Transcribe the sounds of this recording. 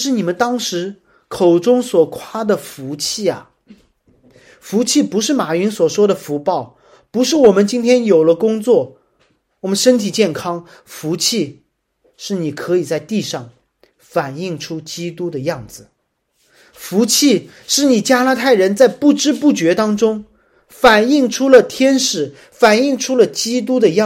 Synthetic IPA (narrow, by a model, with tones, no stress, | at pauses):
ʂɻ̩˥˩ni˨˩mə˦nt̪ɑ˥ŋʂɻ̩˧˥ | kʰo˨˩ʊʈ͡ʂʊ˥ŋswɔ˨˩kʰwa˥d̪ə˨fu˧˥t͡ɕʰi˥˩ɐ̰˩ | fu˧˥t͡ɕʰi˥˩pu˧˥ʂɻ̩˥˩ma˨˩y˧˥nswɔ˨˩ʂwɔ˥d̪ə˨fu˧˥pɑ˥˩ʊ | pu˧˥ʂɻ̩˥˩wɔ˨˩mə˦nt͡ɕi˥nt̪ʰjɛ˥njo˨˩ʊlə˦kʊ˥ŋt͡swɔ˥˩ | wɔ˨˩mə˦nʂə˥nt̪ʰi˨˩t͡ɕjɛ˥˩nkʰɑ˥ŋ | fu˧˥t͡ɕʰi˥˧ | ʂɻ̩˥˩ni˨˩kʰɤ˧˥i˨˩t͡sa˥˧ɪt̪i˥˧ʂɑ˥˩ŋ | fa˨˩ni˥˩ŋʈ͡ʂʰu˥t͡ɕi˥t̪u˥d̪ə˨jɑ˥˩ŋd͡zɹ̩˩ | fu˧˥t͡ɕʰi˥˧ | ʂɻ̩˥˩ni˨˩t͡ɕja˥la˥t̪ʰa˥˩ɪɻə˧˥nt͡sa˥˧ɪpu˥˩ʈ͡ʂɻ̩˥pu˥˩t͡ɕɥɛ˧˥t̪ɑ˥ŋʈ͡ʂʊ˥ŋ | fa˨˩ni˥˩ŋʈ͡ʂʰu˥lə˨t̪ʰjɛ˥nʂɻ̩˨˩ | fa˨˩ni˥˩˧ŋʈ͡ʂʰu˥lə˨t͡ɕi˥t̪̬u˥d̪ə˨j